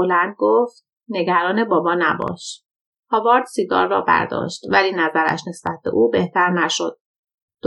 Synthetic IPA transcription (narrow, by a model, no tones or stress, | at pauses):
olænd̪̚ɡoːft̪̚ | ne̞ɡæɾɒːne̞bɒːbɒːnæbɒ̰ːʃ | hɒvɒːɾd̪̥siɡɒ̰ːɾːɒ̰ːbæ̰ɾd̪ɒ̰ːʃt̪væliːnæzæɾæ̰ʃne̞sb̥æt̪̚ʰb̥e̞̰ʔuːbe̞ht̪ʰæɾnæʃod̪̥̚ː